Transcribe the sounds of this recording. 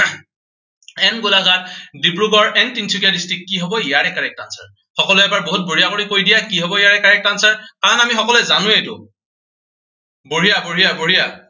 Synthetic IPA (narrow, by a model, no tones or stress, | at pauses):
ɛnɡulaɡadipɹuɡɔɹɛntinsʰukjadistikːiɦɔbɔijaɹɛkaɹɛk̚tansa̰ɹ | xɔkɔlʊɛbaɹboɦut̚boɹijakoɹikojdijakiɦɔbɔijaɹɛkaɹɛk̚tansaɹkaɹɔnamixɔkɔlɛzanʊ̃etʊ | boɹijaboɹijaboɹija